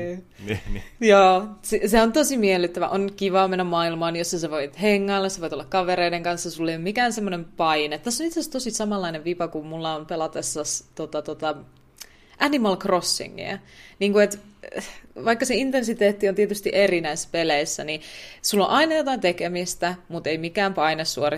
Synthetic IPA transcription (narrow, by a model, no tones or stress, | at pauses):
joːsiseont̪osimielːˑyt̪ːæʋæ̰ʔonkiʋɑːmenːæmmɑːilmɑːnjosːɑseʋoit̪heŋːɑlːɑseʋoit̪olːɑkɑʋeɾeideŋkɑnsːɑsulːejomikæːnsemːonempɑinet̪t̪æsːonit̪seæst̪osisɑmɑlːɑineʋʋipɑkummulːɑompelɑt̪esːɑst̪ot̪ɑt̪ot̪ɑ | ʔænimɑlkrosːḭŋːḭæ̰niːŋkuet̪ | ʋɑikːɑseint̪ensit̪eːt̪ːiont̪iet̪yst̪iʔerinæisːpeleisːænisulːo̰ʔɑinɑjot̪ɑint̪ekemist̪æmut̪eimikæːmpɑinessuori